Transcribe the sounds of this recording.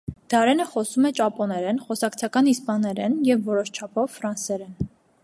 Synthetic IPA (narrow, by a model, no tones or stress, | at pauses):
d̪̥ɑɾɛnəχɔsumɛt͡ʃɑpɔnɛɾɛnχɔsɑkt͡sʰɑkɑnispɑnɛɾɛnjɛvːɔɾɔʃt͡ʃʰɑpʰɔvfɾɑnsɛɾɛn